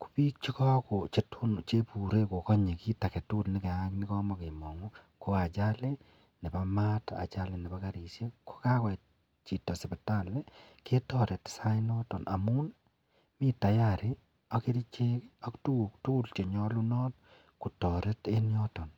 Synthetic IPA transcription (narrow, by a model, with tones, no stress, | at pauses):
ku̥˨pi˦k̚t͡ʃi˦kɔ˦ko˨t͡ʃe˨tʰu˦nt͡ʃe˦pu˨ɾe˦ko˨kɔ˦ɲe˨ki˦ta˨ke˨tu˦lnɪ˦ke˨a˦kni˦kɔ˦ma˨ke˨mɔ˨ŋu˦ | ko˦a˨t͡ʃa˦le˦ | ne˨ba˨ma˦ta̰˨t͡ʃa˦le˦˨nɛ˨ba˦ka˦ɾi˨sje˦ko̥˦ka˦kɔ˨ | t͡ʃi˨tɔ˨se˨be˨ta˦˨le˦ | ke˦tɔ˦ɾe˨tsa˦i˦nɔ˦tɔ˨nʔa̰˨mu˦n | mi˦ta˨ja˨ɾi˦ | ɔke˦ɾi˦t͡ʃe˦a˦ktu˦k̚tu˦lt͡ʃe˨ɲɔ˦lu˦nɔ˦t̚ | ku˨tɔ˨ɾe˦te˦njɔtɔ˨n